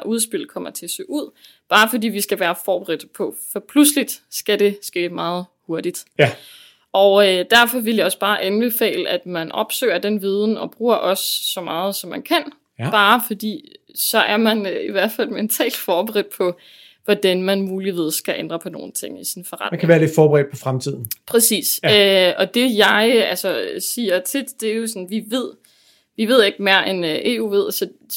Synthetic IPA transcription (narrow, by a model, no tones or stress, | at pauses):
ʔuð̞ˠsb̥el̰kʰɒ̽m̰ɐt͡sʰe̝æsøːuð̞̰ˠ | b̥ɑ̈ːfɒ̽d̥ḭːʋisɡ̥æʋæːɐfɒːb̥eʁid̥pʰɒ̽fɒpʰluslid̥sɡ̥æd̥e̝sɡ̥e̝̰ːmɑ̈ːð̩ˠho̝ɐd̥id̥ | ʔɒʊd̥æɐfɒ̽ʋe̝ljɑ̈ɒ̽sb̥ɑ̈ːʔænb̥e̝fɛ̰ːləʔæd̥mænʔɒ̽b̥sø̰ːɐd̥enʋiːð̞ˠn̩ɒ̽b̥ʁuːɐʔɒ̽sːɒ̽mɑ̈ːð̩ˠsɒ̽mːænkʰæn̰ | b̥ɑ̈ːfɒ̽d̥ḭː | sɒ̽ʔæɐmæniʋæɐ̰d̥fæl̰ment͡sʰɛ̰ːld̥fɒːb̥eʁɛd̥̚pʰɒ̽ | ʋɒd̥ænmænmuːliʋið̞̰ˠsɡ̥æʔend̥ʁɐpʰɒ̽no̝̰ːn̩t͡sʰe̝ŋ̰isinfɒʁɑ̰d̥nkʰæʋæːɐle̝d̥fɒːb̥eʁɛ̰ːd̥̚pʰɒ̽fʁamt͡sʰið̞̰ˠn̩pʰʁɛsḭːsøɒ̽d̥e̝jɑ̈ɪælsɒsiːɐt͡sʰid̥d̥e̝æjo̝sɒ̽nʋiʋe̝ð̞̰ˠ | ʋiʋe̝ð̞̰ˠe̝ɡ̥me̝ːɐʔenʔe̝̰ːṵːʋe̝ð̞̰ˠsɒ